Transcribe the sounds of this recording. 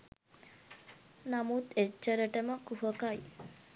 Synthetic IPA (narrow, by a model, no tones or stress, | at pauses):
namut̪et͡ʃːəɾəʈəməkuɦəkaj